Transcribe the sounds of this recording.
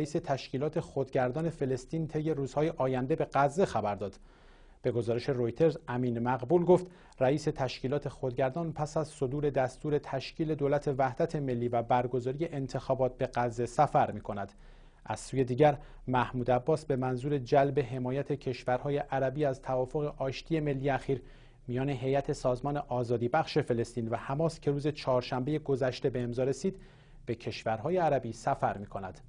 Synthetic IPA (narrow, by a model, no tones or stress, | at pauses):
iːse̞t̪ʰæʃciːlɒːt̪ʰe̞xod̪ɟæɾd̪ɒːne̞fe̞le̞st̪iːnt̪ʰe̞jːe̞ɾuːz̥hɒːje̞ʔɒːjænd̪e̞be̞ɢæzːe̞xæbæɾd̪ɒːd̪̥ | b̥e̞ɡo̞zɒːɾeʃe̞ɾo̞jt̪ʰe̞ɾzæmiːnmæɣbuːlɡo̞ft̪ | ræiːse̞t̪ʰæʃciːlɒːt̪ʰe̞xod̪ɟæɾd̪ɒːnpʰæsæzso̞d̪uːɾe̞d̪æst̪uːɾe̞t̪ʰæʃciːle̞d̪oːlæt̪ʰe̞væhd̪æt̪ʰe̞me̞lːiːvæbæɾɡo̞zɒːɾije̞ʔent̪ʰe̞xɒːbɒːt̪̚be̞ɡæzːe̞sæfæɾmiːkʰo̞næd̪̥ | ʔæ̰z̥suːje̞d̪iːɟæɾ | mæhmuːd̪æbːɒːsbe̞mænzuːɾe̞d͡ʒælbe̞ɦe̞mɒːjæt̪ʰe̞cʰe̞ʃvæɾhɒːje̞ʔæɾæbiːæzt̪ʰævɒːfo̞ɣeʔɒːʃt̪ʰiːeme̞lːijeæxiːɾ | mijɒːne̞ɦe̞jæt̪ʰe̞sɒːzmɒːne̞ʔɒːzɒːd̪iːbæχʃe̞fe̞le̞st̪iːnvæhæmɒːscʲʰe̞ɾuːze̞t͡ʃʰɒːɾʃæmbe̞je̞ɡo̞zæʃt̪e̞be̞ːmzɒːɾe̞siːd̪ | b̥e̞cʰe̞ʃvæɾɦɒːje̞æɾæbiːsæfæɾmiːkʰo̞næd̪̥